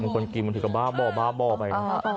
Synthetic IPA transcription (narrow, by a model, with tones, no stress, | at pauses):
ɯ˧ŋkʰo˧nki˧nm˧t̪ɯː˨˩ka˧˩baː˥˩bɔː˨˩baː˥˩bɔː˧˩pa˧ja˧